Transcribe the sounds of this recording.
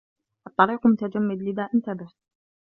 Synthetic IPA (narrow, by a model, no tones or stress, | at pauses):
ʔɑt̪ˤːɑɾiːqmʊt̪ad͡ʒamːɪd̪lɪðaːʔɪnt̪abɪħ